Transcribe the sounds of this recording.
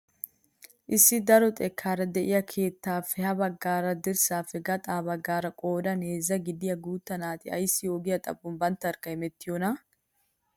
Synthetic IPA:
ʔɪsːɪd̪ɐɾɔt̪ʼɛkʰːaːɾɐd̪ɛʔɪjɐkʰe̞ːt̪ːaːfːɛhɐbɐɡːaːɾɐd̪ɪɾsaːfːɛɡɐt̪ʼaːbɐɡːaːɾɐkʼo̞ːd̪ɐneːzːɐɡɪd̪ɪjɐɡuːt̪ːɐnaːt̪ɪɐ̰jsːɪjo̞ːɡɪjɐt̪ʼɐ̰bːʊmbɐnt̪ːɐɾkɐhɪmɛt̪ːɪjonɐ

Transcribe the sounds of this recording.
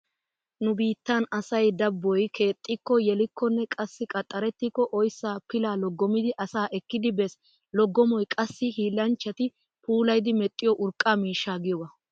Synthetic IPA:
nʊbiːt̪ːɐnɐsɐjd̪ɐbːɔjkʰe̞ːt̪ʼːɪkːɔjɛlɪkːɔnːɛkʼɐsːɪkʼɐt̪ʼːɐɾɛt̪ːɪkːɔʔɔjsːaːpɪlaːlɔɡːɔmɪd̪ɪʔɐsaːʔɛkːɪd̪ɪbɛs | lɔɡːɔmɔjkʼɐsːɪhiːlɐnt͡ʃːɐt̪ɪ | puːlɐjd̪ɪmɛt̪ʼːɪjɔʔʊɾkʼːaːmiːʃːaːɡɪjɔwɐ

